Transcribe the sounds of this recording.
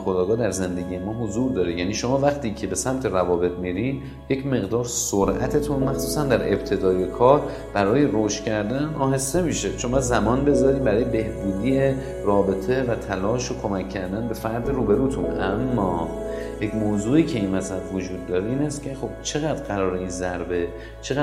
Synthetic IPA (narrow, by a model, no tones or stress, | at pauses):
xod̪ɒːɡɒːd̪æɾze̞nd̪e̞ɟiːje̞mɒːɦozuːɾd̪ɒːɾejæniːʃo̞mɒːvæχt̪ʰiːcʰe̞be̞sæmt̪ʰe̞ɾævɒːbe̞t̪miːɾin | je̞cme̞ɣd̪ɒːɾsoɾʔæ̰t̪ʰe̞t̪ʰunmæxsuːsænd̪æɾʔe̞bt̪ʰe̞d̪ɒːje̞kʰɒːɾ | b̥æɾɒːje̞ɾoʃt̪cʲʰæɾd̪ænɒːɦe̞st̪e̞miːʃe̞t͡ʃʰonmɒzæmɒːnbe̞zɒːɾiːmbæɾɒːjebe̞hbuːd̪iːje | rɒːbe̞t̪ʰe̞væt̪ʰælɒːʃokʰo̞mækʰːæɾd̪ænbe̞fæɾd̪iɾuːbe̞ɾuːt̪ʰunʔæmːɒː | jecmoːzuːiːcʰe̞inmæsæbvod͡ʒuːd̪ːɒːɾe̞iːnæst̪cʰe̞xo̞b̥t͡ʃʰe̞ɣæd̪ɾɢæɾɒːɾe̞inzæɾbe̞ | t͡ʃʰeɣ